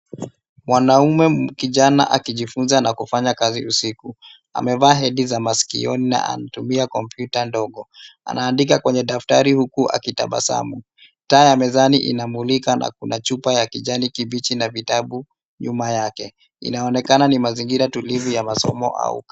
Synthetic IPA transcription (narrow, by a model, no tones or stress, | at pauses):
mwanaumɛkiʄana̰ʔakiʄifunzanakufaɲakaziusiku | a̰mɛvaːɦɛɗizamaskḭɔnina̰ʔa̰natumiakɔmpjutandɔɠɔa̰naːndik̬akwɛɲɛɗaftaɾihukuʔa̰kita̰ɓa̰sa̰mu | taːjamɛzaniʔḭnamulikanʔa̰kunat͡ʃupajakiʄanikiɓit͡ʃinavitaɓu | ɲumajakɛ | ḭnaɔnɛkananimaziŋɡiɾatulivujamasɔ̰mɔ̰ʔa̰ṵk